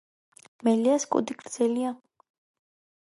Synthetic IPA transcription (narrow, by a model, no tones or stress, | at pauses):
mɛliaskʼṵd̪iɡʼɾd̪z̥ɛlia